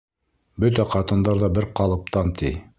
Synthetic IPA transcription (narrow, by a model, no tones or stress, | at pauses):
bɵt̪æqɑt̪ɤ̆nd̪ɑɾðɑbɘɾqɑlˠɤ̆p̚t̪ɑnt̪ʰi